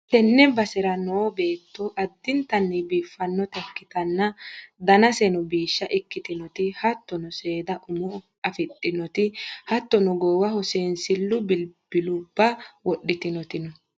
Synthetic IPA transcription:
tɛnːɛbɐsɪɾɐnɔːbe̞ːt̪ːɔʔɐd̪ːɪnt̪ɐnːɪbiːfːɐnːɔt̪ɛkːɪt̪ɐnːɐd̪ɐnɐsɛnɔbiːʃːɐʔɪkːɪt̪ɪnɔt̪ɪhɐt̪ːɔnɔseːd̪ɐʔʊmɔ | ɐfɪt̪ʼːɪnɔt̪ɪhɐt̪ːɔnɔɡoːwɐhɔseːnsɪlːʊbɪb̥ɪlʊbːɐwɔɗːɪt̪ɪnɔt̪ɪnɔ

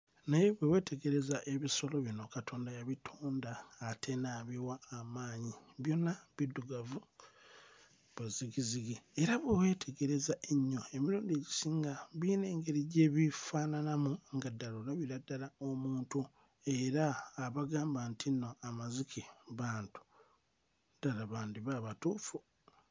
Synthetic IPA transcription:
naje̞βwewe̞ːtʰe̞ɡe̞ɾe̞zaʔe̞βiso̞lo̞βino̞katʰo̞ːndajaβitʰoːndaːtʰe̞naːβiwaːmaːɲiβjo̞nːaβidːuɡavu | βaziɡiziɡieɾaβwewe̞ːtʰe̞ɡe̞ɾe̞zaʔeɲːo̞e̞miɾuːndeɟisiːŋɡaβiːne̞ːŋɡe̞ɾiɟe̞βifaːnanamuŋɡadːalolaβiɾadːalaomuːntu | e̞ɾaːβaɡaːmbantʰinoʔamazikʰiβaːntu̥ | d̥alaβaːndiβaːβatuːfu

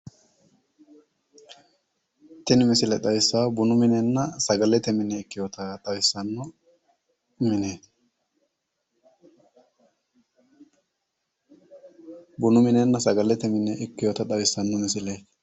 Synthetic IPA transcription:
t̪ɪnɪmɪsɪlɛt̪ɐjsːaːbʊnʊmɪnɛnːɐsɐɡɐlːɛt̪ɛmɪnːɛɪkːɪjot̪ɐɗ̪ɐwɪsːɐnːɔ | mɪneː | bʊnʊmɪnɛnːɐsɐɡɐlːɛt̪ɛmɪnːɛʔɪkːɪjot̪ɐɗ̪ɐwɪsːɐnːɔmɪsɪle

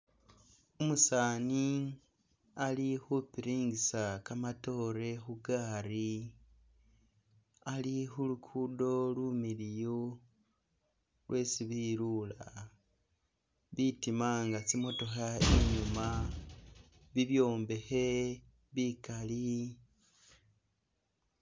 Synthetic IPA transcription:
umusaːni | alixupiɾiːŋɡisakamato̞ɾe̞xuɡaːɾi | alixulukʰudo̞lumilijo | lwʔe̞ːsiβiɾula | βitimaŋɡat͡simo̞to̞xaeɲuma | βiβjo̞ːmbe̞xe̞ | βikali

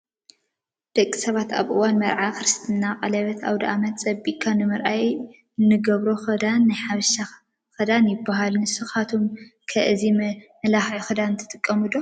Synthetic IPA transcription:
d̪̥ɐkʼːisɐβat̪a̰βʔɨwanmɐɾʕakɾɨst̪ʰɨnːaqʼɐlɐβɐt̪ʰa̰wd̪ɐʔamɐt̪t͡sʼɐbiʔkʼʰːanɨmɨɾʔaj | ɨnːɨɡɐβɾo̞xɐd̪anːajħaβʃa | xɐd̪anjɪbːaɦalnɨsɨxat̪ʰomkʰɐʔɨzimmɐlaxjxɨd̪ant̪ʰːɨ̥t̪ʼɨkʼːɐmud̪o

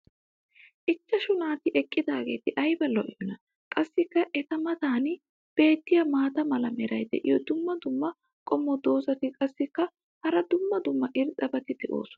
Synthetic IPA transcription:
ʔɪt͡ʃːɐʃʊnaːt̪ɪʔɛkʼːɪd̪aːɡe̞ːt̪ɪʔɐjbɐlɔʔɪmɪnɐ | kʼɐsːɪkːɐʔɛt̪ɐmɐt̪aːnɪ | b̥e̞ːt̪ːɪjɐmaːt̪ɐmɐlɐmɛɾɐjd̪ɛ̰ʔɪ̰jɔd̪ʊmːɐd̪ʊmːɐ | kʼɔmːɔd̪o̞ːsɐt̪ɪkʼɐsːɪkːɐ | hɐɾɐd̪ʊmːɐd̪ʊmːɐʔɪɾtʼɐbɐt̪ɪd̪ɛʔo̰ːsɔ̥nɐ̥

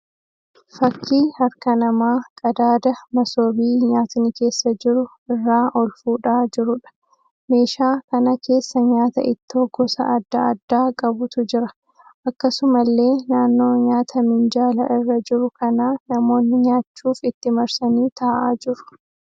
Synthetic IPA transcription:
fɐkʰːiːhɐɾkɐnɐmaːkʼɐd̪aːd̪ɐmɐso̞ːbiːɲaːt̪ɪnɪke̞ːsːɐd͡ʒɪɾʊ | ɪrːaːʔɔlfuːᶑaːd͡ʒɪɾʊᶑɐ̥ | me̞ːʃaːkɐnɐkʰe̞ːsːɐɲaːt̪ɐʔɪt̪ːoɡɔsɐ̰ʔɐd̪ːɐɐd̪ːaːkʼɐbʊt̪ʊd͡ʒɪɾɐ | ʔɐkːɐsʊmɐlːe̞ːnaːnːo̞ːɲaːt̪ʰɐmɪnd͡ʒaːlɐ̰ʔɪrːɐd͡ʒɪɾʊkɐnaːnɐmo̞ːnːɪɲaːt͡ʃːuːfɪt̪ːɪmɐɾsɐniːt̪aːʔaːd͡ʒɪɾʊ̥

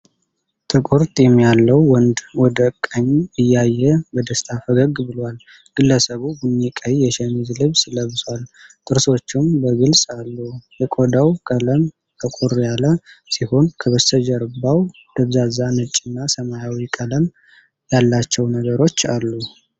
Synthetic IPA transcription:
t̪ʰʼɨkʼuɾt̪ʼjɛmːijalːəwwɔnd̪wɔd̪əkʼːəɲːɨjːajːɛbəd̪əst̪ʼʰafəɡəɡbɨlwal | ɡ̥ɨlːəsəβubunːikʼəjjɛʃɛmizlɨβsləβswalt̪ʼɨɾso̞t͡ʃːumbəɡɨlsʼalːujɛkʼod̪awkʼələm | t̪ʰəkʼuɾjaləsiho̞nkʰəβəsəd͡ʒəɾbːaw | d̪̥əβzazanɨt͡ʃʼɪnːasəmajawikʼələm | jalːat͡ʃːɛwnəɡəɾo̞t͡ʃːalːu

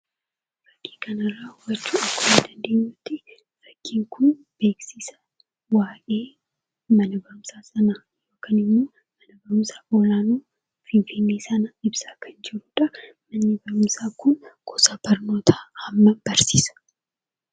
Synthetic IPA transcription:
ɾɐkːi̥ːkɐnɐrːɐhʊwɐt͡ʃːuːɐkːoɪnd̪ɐnd̪e̞ːɲːʊt̪ːɪ | ɾɐkːiːŋkʊn | b̥e̞ːksiːsɐ̥ | waːʔe̞ː | mɐnɐbɐɾʊmsaːsɐnɐ | jo̞ːkaːnɪmːoː | mɐnɐbɐɾʊmsaːʔoːlaːnuː | fɪnfɪnːiːsɐnɐɪbsaːkɐnd͡ʒɪɾuːᶑɐ | mɐnːibɐɾʊmsaːkʊnkʰɔsaːb̥ɐɾno̞ːt̪ʰaːhɐmːɐb̥ɐɾsḭːsɐ̥

